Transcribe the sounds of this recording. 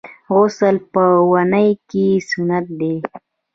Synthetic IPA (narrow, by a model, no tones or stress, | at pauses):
ɣʊsəlpəwanəjkesʊnat̪̚d̪e